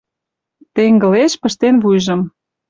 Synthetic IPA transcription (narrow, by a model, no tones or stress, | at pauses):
t̪eŋɡə̆leʃpə̆ʃt̪enβujʒɤ̆m